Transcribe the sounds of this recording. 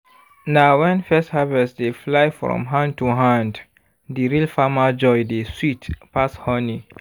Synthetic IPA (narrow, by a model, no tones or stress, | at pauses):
naʊwɛ̃nfɛsthavɛsdeflajfɹɔ̰̃mɦãnd̚tuɦãnd | diɹilfamad͡ʒɔjdeswitpashɔni